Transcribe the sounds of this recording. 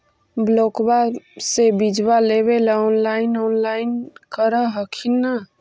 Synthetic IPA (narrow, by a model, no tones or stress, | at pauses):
blokbasebid͡ʒbaleβelɔnlainɔnlaɪnkəɾəɦəkʰinːə